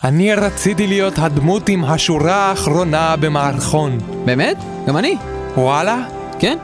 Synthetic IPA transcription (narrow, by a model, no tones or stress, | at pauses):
ʔaniɾat͡sit̪ilijo̞tɦad̪mutimɦaʃuɾaːχɾo̞nabe̞maːʁχon | beːmet̪̚ | ɡamani | wala | ken